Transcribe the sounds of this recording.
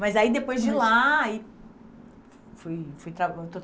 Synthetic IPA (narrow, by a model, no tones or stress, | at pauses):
mɐjzaid̪epojzd͡ʒɪlaːi | fujfujt̪ɾaewt̪ot̪